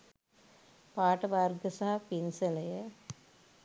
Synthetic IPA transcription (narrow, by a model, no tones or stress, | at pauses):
paːʈɐbaːrɡɐsaːɐpinsɐlɐjɐ